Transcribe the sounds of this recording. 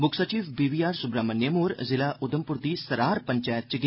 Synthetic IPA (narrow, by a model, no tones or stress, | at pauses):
bʊkʰsət͡ʃiːʋbiːʋiːaːɾsʊbɾaːmənjəmuːɾzɪlaːʔʔʊd̪əmpʊɾd̪iːsɐɾaːɾpəɲt͡ʃɛːjət̪̚t͡ʃɡ